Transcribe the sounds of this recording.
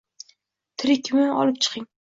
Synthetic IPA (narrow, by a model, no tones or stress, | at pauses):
t̪ʰɪɾɪkʲʰːɪmɪnʔɒ̰lˠɪp̚t͡ʃʰɨ̥qʰɪŋ